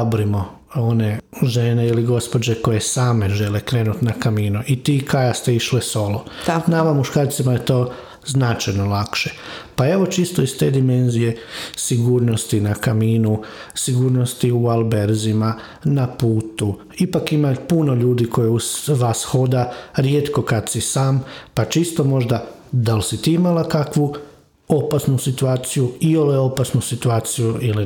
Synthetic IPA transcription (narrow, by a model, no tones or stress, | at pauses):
bɾimo | o̞ne̞ʒeneiliɡo̞spod͡ʒeko̞je̞saːme̞ʒe̞lekɾe̞ːnut̪nakamiːnuit̪ikajast̪e̞iʃleso̞lˠonamamuʃkaːɾt̪simaje̞t̪o̞ː | znat͡ʃajno̞lˠakʃe̥pae̞ʋo̞t͡ʃist̪oist̪e̞ːd̪ime̞nzije̞siɡuːɾnost̪inakamiːnusiɡuːɾno̞st̪iualˠbe̞ɾzima | napuːt̪u | ipakimapuno̞ʎuːd̪iko̞jeuzʋasxo̞d̪aɾjeːt̪ko̞kad̪sisaːmpat͡ʃist̪o̞mo̞ʒd̪a | d̪alsit̪iimalakakʋu | o̞pasnusit̪uaːt̪sijuioleo̞pasnusit̪uaːt̪sijuili